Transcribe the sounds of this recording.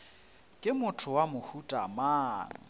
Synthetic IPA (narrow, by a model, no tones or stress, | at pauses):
kʼɪmʊtʰʊwamʊhutʼamaːŋ̩